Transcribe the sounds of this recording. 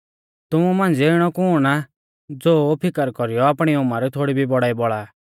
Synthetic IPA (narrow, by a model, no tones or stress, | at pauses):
t̪ʊmumãːnd͡ziɪɽ̃ɔkʊna | d͡zoːpʰɪkəɾkɔɾijɔaːpɽ̃iʊmaɾɛt̪ʰoːɽibʱibɔɽaːibɔɭaː